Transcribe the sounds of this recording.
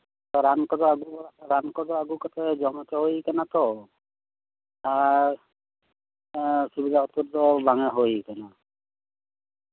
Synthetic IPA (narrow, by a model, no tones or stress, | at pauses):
t̪ɔɾankɔd̪ɔaɡuaɾankɔdɔaɡukɔt̪ʰɛd͡ʒɔmɔt̪ɔɦojkanat̪ɔ | a | subid̪ʱaɔt̪uɾd̪ɔbaŋɛɦojkana